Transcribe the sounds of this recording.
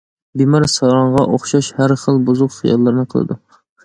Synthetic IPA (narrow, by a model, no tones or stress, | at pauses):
bimɑɾsɑɾɑɴʁɑʔoχʃɑʃhæɾχəlˠbuzʊqχijɑ̰lːɨɾnɨqʰəlˠɨ̰d̪u